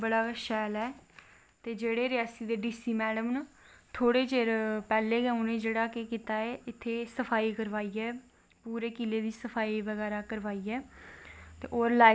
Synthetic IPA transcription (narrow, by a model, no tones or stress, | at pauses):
bəɽaːʃɛːlɛː | t̪eːd͡ʒeːɽeːɾɪaːsiːd̪eːɖiːsiːmɛːɖəmnət̪ʰoːɽeːt͡ʃeːɾpɛːleːɡɛ̃ːʊnẽːd͡ʒeːɽaːkɪkiːt̪aːeːɪt̪ʰːeːsəfʰaːiːkəɾʋaːiːɛː | puːɾeːkɪleːd̪iːsəpʰaːiːʋəɣɛːɾaːkəɾʋaːiːɛː | t̪ḛːʔoːɾlaː